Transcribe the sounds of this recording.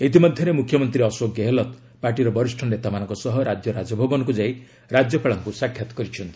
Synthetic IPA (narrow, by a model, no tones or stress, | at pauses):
et̪imɔd̪ʱjɔɾemukʰjɔmɔnt̪ɾiɔswoɡjɔɦelɔt̪ | paɾʈiɾɔbɔɾisʈʰɔnet̪amanɔ̃ŋkɔsɔɦɔɾad͡ʒjɔɾad͡ʒɔbʱɔɡɔnkud͡ʒaj | ɾad͡ʒjɔpʰeɭɔŋkusakʰjat̪ɔ̥kɔɾit͡ʃʰɔnt̪i